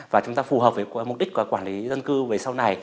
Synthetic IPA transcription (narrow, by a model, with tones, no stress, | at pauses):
vaː˨˩t͡ɕʊ˨˦ŋ͡mt̪aː˧fu˨˩ɦəː˨˩p̚və˨˦˨m˨˩k͡p̚ɗï˥k̚kːkwaː˧˩nli˨˦zə˧nkɨ˧ve˨˩sa˧wna˨˩j